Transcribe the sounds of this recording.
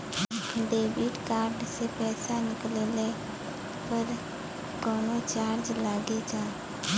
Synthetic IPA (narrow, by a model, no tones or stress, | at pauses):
ɖeːbɪʈkaːɾɖsepɛːsanɪkleːle | pəɾ | ɡɔːnot͡ʃaːɾd͡ʒlaːɡed͡ʒaː